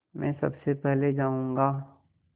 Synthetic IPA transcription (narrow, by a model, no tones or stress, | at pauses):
mɛ̃ːsɐ̰bsepɛɦled͡ʒaːũːŋɡaː